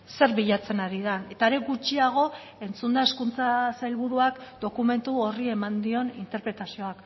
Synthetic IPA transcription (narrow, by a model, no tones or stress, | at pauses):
se̞ɾβiʎat͡se̞naɾið̞ane̞t̪aɾe̞ɣut͡ʃiaɣ̞o̞ | e̞nt͡sund̪ae̞skunt͡sasajlβuɾuakd̪o̞kume̞nt̪uorie̞mand̪io̞nint̪e̞ɾpɾe̞t̪asio̞ak